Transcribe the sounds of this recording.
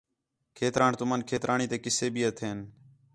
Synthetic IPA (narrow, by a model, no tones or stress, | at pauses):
kʰeːt̪ɾaːɳt̪ʊmənkʰeːt̪ɾʔaːɳiːt̪eːkɪseːbiːət̪ʰeːn